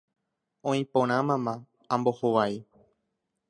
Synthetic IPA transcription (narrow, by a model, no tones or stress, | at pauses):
õĩpõɾ̃ãmãmã | ãmbo̞hoʋai